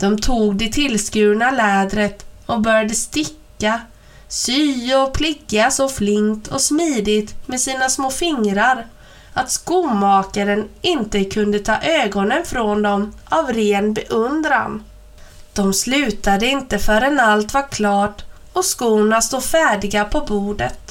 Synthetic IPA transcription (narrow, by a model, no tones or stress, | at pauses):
d̪̥ɔmt̪ʰuːɡd̪ɛt̪ʰɪlskʉ̟ːɳalɛːd̪ɾət̪ɔbœɾjad̪əst̪ɪkːa | syːɔpʰlɪɡasɔflɪŋt̪ʰɔsmiːd̪ɪt̪mɛsiːnasmoːfɪŋɾaɾ | at̪skuːmɑːkaɾənɪnt̪əkʰɵnd̪ət̪ʰɑ̰ːʔøːɡɔnənfɾɔnd̪ɔmʔavɾeːnbɛʔɵnd̪ɾa̰n | d̪̥ɔmslʉ̟ːt̪ad̪əɪnt̪əfœɾɛnalt̪vakʰlɑːʈ | ɔskuːnast̪uːdfæːɖɪɡapʰɔbuːɖət̪